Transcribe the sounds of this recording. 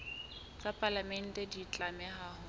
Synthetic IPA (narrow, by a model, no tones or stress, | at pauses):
t͡sʼapʼalamɛn̩tʼɛdit͡ɬʼamɛɦaːhʊ